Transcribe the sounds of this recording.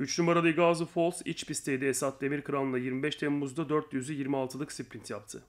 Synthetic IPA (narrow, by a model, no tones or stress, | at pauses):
yt͡ʃlʲymaɾad̪ˠajɯɡazɯfo̞lˠsit͡ʃpist̪ʰe̞jd̪ɛesat̪̚d̪e̞miɾkɯɾanˠɯnˠajiɾmibɛʃt̪ʰemmuzd̪ad̪øɾt̪jyzyjiɾmialˠt̪ʰɯlˠɯksiplʲint̪ʰjap̚t̪ʰɯ